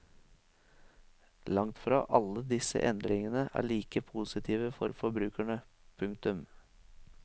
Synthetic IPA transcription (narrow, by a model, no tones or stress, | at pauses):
lɑŋt̪fɾɑːʔɑləd̪ɪsə̰ʔɛnd̪ɾɪŋənəʔæ̰ːɭiːkəpʰusɪt̪ʰiːʋəfɔɾfɔbɾʉːkæɳə | pʰʉŋk̚t̪ʉm